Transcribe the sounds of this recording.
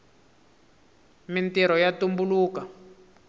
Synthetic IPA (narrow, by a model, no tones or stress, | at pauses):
mintiɾɔjatumbuluːka